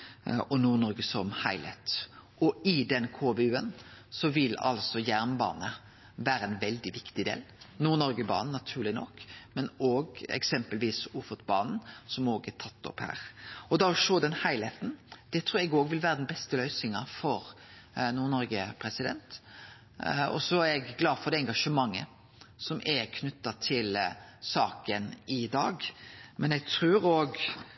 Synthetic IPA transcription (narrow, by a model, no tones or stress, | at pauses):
ɔnuːɾnɔɾɡəsɔmhæɪlḛt̪ | ɔɪd̪ɛnkʰoːbeːʉːənsɔʋɪlɑ̰lsɔjæɾnbɑ̰ːnə | ʋæːɾəɛnʋɛld̪ɪʋɪkt̪ɪd̪ḛːlnuːnɔɾɡəbɑ̰ːnnːɑt̪ʰʉːlɪnɔ̰kːmɛnoːɡɛ̰ksɛmpəlʋiːsuːfɔt̪bɑːnn̩sɔmoːɡɛt̪ʰɑt̪ːɔ̰phæ̰ːɾɔd̪ɑɾɔʂoːd̪ɛnhæɪlheːt̪n̩d̪̥ɛt̪ʰɾuːɾɛɡoːɡʋɪlʋæːɾəd̪ɛnbɛst̪əlœʏsɪŋɑfɔɾ | nuːɾnɔɾɡəpʰɾɛsɪd̪ɛ̰nt̪ | ɔ̰sɔæɾɛɡɡlɑːd̪fɔɾd̪ɛɛŋɡɑʂəmɑŋːə̰ | sɔmʔɛkʰnʉt̪ːɑt̪ʰɪlsɑːkənɪd̪ɑːɡmɛnɛɡt̪ʰɾʉːɾoːɡ